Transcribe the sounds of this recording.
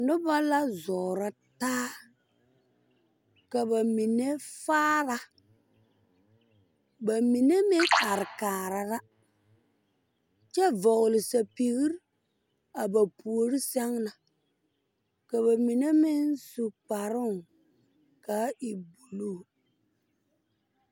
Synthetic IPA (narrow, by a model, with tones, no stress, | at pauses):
nʊ˦ba˦la˦zɔː˨ɾa˦ | taː˦ | ka˨ba˨mi˨ne˦faː˦ɾa˦ | ba˨mi˨ne˦mɪ˦ŋa˨ɾɪ˨kaː˨ɾa˨ɾa˦ | t͡ʃɛ˦vɔ˨ɣlɪ˨sa˨pi˨ɣi˦ɾ | a˨ba˨pʰu˨o˨ɾi˦sɛ˦ŋna˨ | ka˨βa˨mi˨ne˦mɪ˦nsu˨k͡pa˨ɾʊ˦˨ŋ | ka˨˦ɪ˨bu˨lu˦˨